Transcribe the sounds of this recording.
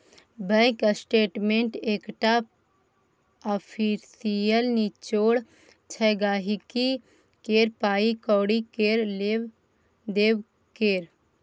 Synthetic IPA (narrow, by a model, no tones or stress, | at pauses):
bɛ̃ksʈeːʈmẽɳʈeːkʈa | ɔpʰisijəlnit͡ʃoːɽ | t͡ʃʰɛɡaːɦiki | keːɾpaːikɔːɽikeɾe | d̪eːw | keːɾ